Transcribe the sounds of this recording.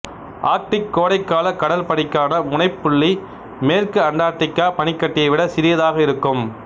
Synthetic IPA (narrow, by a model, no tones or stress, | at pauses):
ʔaːk̚ʈɪkːoːɽɐɪkːaːlɐkɐɽɐlpɐɽɪkːaːnɐʊɳɐɪpːʊɭːi | meːrkɯɐɳɖaːʈːɪkːaːpɐnɪkːɐʈːɪjɐɪʋɪɽɐsɪɾɪjɐðaːɣɐɪɾɯkːɯm